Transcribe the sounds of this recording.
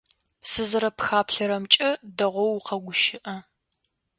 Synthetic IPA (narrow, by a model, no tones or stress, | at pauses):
sɨzɐɾɐpxaːpʰɬɐɾɐmt͡ʃʼɐdɐʁʷɔwqɐɡʷʊʃɪʔɐ